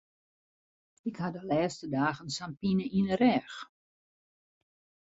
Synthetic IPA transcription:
ɪkhadəlɛːstədaːɣənsampinəinərɛx

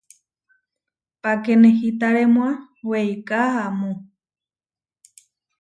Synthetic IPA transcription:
pakenehit̪aɾemwa | wejkaamũ

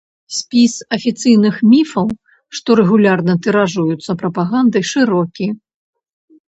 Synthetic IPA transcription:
sʲpʲisɐfʲit̪sɨjnɨxmʲifɐw | ʂt̪ɔɾɛɣulʲarnɐt̪ɛɾaʐujut̪sːɐpɾɐpaɣand̪ɐjʂɨɾɔkʲi

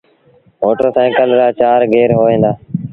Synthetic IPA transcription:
moːʈəɾsãːkəlɾaːt͡ʃaːɾɡeːɾɦoːʋẽːnd̪aː

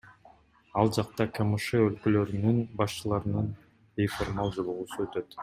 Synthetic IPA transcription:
ɑlˠd͡ʒɑq̚t̪ɑkʰamuʃeølkølø̞ɾynynbɑʃt͡ʃɯlˠɑɾɯnɯn | bejformɑlˠd͡ʒo̞lˠuʁusuø̞t̪ø̞t̪

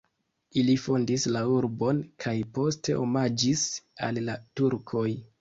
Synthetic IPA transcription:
ilifo̞ndislauɾbo̞nkʰajpo̞ste̞̰ʔo̞mad͡ʒisa̰lːatuɾkʰo̞j

